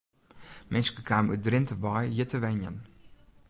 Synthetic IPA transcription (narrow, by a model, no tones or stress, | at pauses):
mʔɪnskəkʰaːmydrɪntəʋɔjjətʰəʋɛnjə̰n